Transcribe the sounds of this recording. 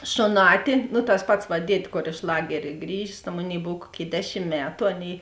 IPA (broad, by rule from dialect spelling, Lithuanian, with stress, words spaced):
ʃoːˈnɑːtʲɪ nʊ tɐs ˈpɐts ʋɐ ˈdʲiɛtʲ ˈkoːr ɪʃ ˈlˠɑːɡʲɛrʲeː ˈɡrʲiːʒʲeːs tɐ ˈmoːˌnʲeːɪ ˈboːw ˈkuɔˌkʲeːɪ ˈdʲæːˌʃʲɪm ˈmʲæːtʊ ˈɑːˌnʲeːɪ